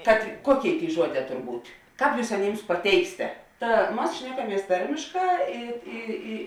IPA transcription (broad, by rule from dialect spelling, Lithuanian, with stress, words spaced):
kɐt ˈkuɔˌkʲeːɪ ˈtʲeːɪ ˈʒuɔˌdʲɛː ˈtoːr ˈbuːtʲ ˈkɑːp ˈjuːs ɐˈnʲɪms pɐˈtʲɛɪksʲɪtʲɛ ˈtɐ ˈmɐs ˈʃʲnʲæːkɐˌmʲiɛs ˈtɐrʲmʲeːʃˌkɑː ˈɪ ˈɪ ˈɪ